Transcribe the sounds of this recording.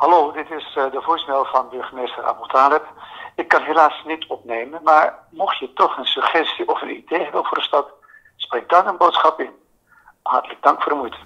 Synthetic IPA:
hɑloːdɪtɪsdəvuːɹsnɛlˠvɑnbɵɹχəmeːstərʔa̰ːbɔlˠtaːlɛpɪkːɑnɦelaːsnitɔpnejmənmaːɹ | mɔχjətɔχənsɵχɛstiʔɔfənidejɦɛbənvʊːrdəstɑt | spreːɡ̚dɑnənbowtsχɑpɪn | ɦɑrtələɡ̚dɑŋkfʊːrdəmujtə

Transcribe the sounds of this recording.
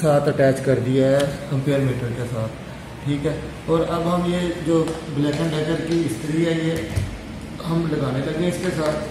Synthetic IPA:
saːt̪ʰəʈɛːt͡ʃkɐɾd̪ɪjaɦɛkə̃mpeːəɾmẽːʈəɾkesaːt̪ʰ | ʈʰiːkɦɛː | ɔːɾɐbɦɐmjed͡ʒoːblɛːkə̃ɳɖaːkəɾkiɪst̪əɾiaːiɛː | ɦɐmlɐɡaːnelɐɡeẽɪskesaːt̪ʰ

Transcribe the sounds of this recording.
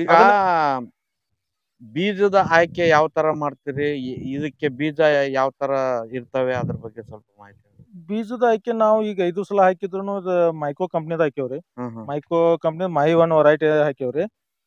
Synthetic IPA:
iːɡɐɐ | biːd͡ʒɐd̪ɐʔaːjkejaːʋt̪ɐɾɐmaːɽt̪iːɾiid̪ɐkːebiːd͡ʒɐjaːʋt̪ɐɾɐiɾt̪ɐʋeɐd̪ɐɾɐbɐɡːesɐlpɐmaːɦit̪ɐbiːd͡ʒɐd̪ɐaːjkenaːʋuiːɡɐid̪uːsɐlɐɦaːkid̪ɾɐnuːid̪ɐmaːjkɾoːkɐmp̬nid̪aːjkeɐʋɾeɦɐːɦmaːjkɾokɐmpnid̪mɐːɦiʋɐnʋɐɾaːjʈeɦaːkeɐʋɾe

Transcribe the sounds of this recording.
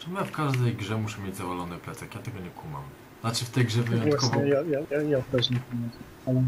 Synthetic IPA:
t̪ɔmɘfkaʐd̪ɛjɡʐɛmuʃɛmʲjed͡ʑzavalɔnɨplɛt̪sɛkjat̪ɛɡɔɲɛkuma̰m | nat͡ʂɘft̪ɛjɡʐɛvɨjɔnvw̪akvɔɛjajajajapɛʒɲɛpɔmɛs | a

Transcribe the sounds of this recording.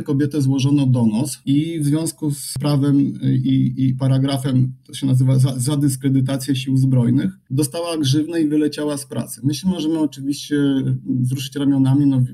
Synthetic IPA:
kɔbʲjɛt̪ɛzwɔʐɔnɔd̪ɔnasivzvʲjɔ̃w̃skuspɾavɛmiipaɾaɡɾafɛmt̪ɔɕɛnazɘvazazad̪ɘskɾɛd̪ɘt̪̬at̪sʲjɛɕiwzbɾɔjnɘxd̪ɔst̪awaɡʐɘvnaivɘlɛt͡ɕawaspɾa̰t̪sɛ̥mɘɕɛmɔʐɛmɘɔt͡ʂɘvʲiɕt͡ɕɛzɾuʂ̬ɘt͡ɕɾamʲjɔnamʲinɔ

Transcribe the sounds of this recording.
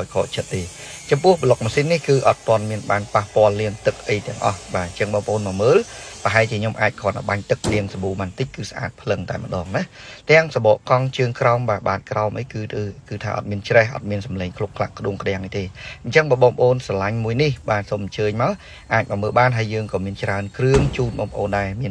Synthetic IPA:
aɔjkʰo̰ːʔt͡ɕʰət̪̚ːeː | t͡ɕɑmpʊ̆əhɓəlok̚maːsinːihkɨːʔɑt̪ːŏənmiənɓaːnpahpŏəlːiəŋt̪ɨk̚ʔəjt̪ɛ̆əŋʔɑ̰hɓaːɲt͡ɕəŋɓɑːŋpə̰̆ʔoːnmɔːməːlpə̆ɦaɛlt͡ɕiəɲomʔaːc̚kʰɔ̆ənːaɓaɲt̪ɨk̚liəŋsaɓuːmaːnt̪ɨc̚kɨːsaʔa̰ːt̪̚pʰlɨŋt̪aɛmə̆ɗɑːŋnat̪ɛ̆əŋsaɓɑːʔkɑŋt͡ɕəːŋkraɔmɓaːɓaːt̪̚kraɔmʔəjɨːkɨːt̪ʰaːʔɑ̰t̪̚miənt͡ɕrɛhʔɑ̰t̪̚miənsɑmleːŋkʰlukʰla̰ʔkʰːɗuəŋkʰɗĕaŋːʔəjt̪eːɲt͡ɕəŋɓaːɓɑːŋpʰə̆ʔoːnsɑlaɲmuəjnihɓaːsoːmʔəɲt͡ɕəːɲmaɔ | ʔaːc̚mɑːməːlɓaːnɦəəjəːŋkɑːmiənt͡ɕraənkrɨəŋt͡ɕuːnɓɑːŋpəʔoːnɗaɛmiən

